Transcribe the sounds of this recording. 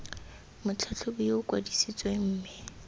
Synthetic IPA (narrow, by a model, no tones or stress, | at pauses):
mʊt͡ɬʰat͡ɬʰʊbiʊkʼwa̰disit͡sʼweŋ̩ːmɪ